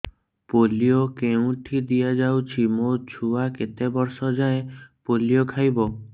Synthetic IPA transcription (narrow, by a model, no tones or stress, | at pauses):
polijokeũʈʰid̪ijad͡ʒawt͡ʃʰimot͡ʃʰuaket̪ebɔɾsɔd͡ʒaepolijokʰajbɔ